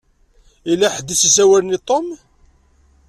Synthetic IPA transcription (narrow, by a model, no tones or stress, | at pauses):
ilaħd̪issæwælnit̪ˤom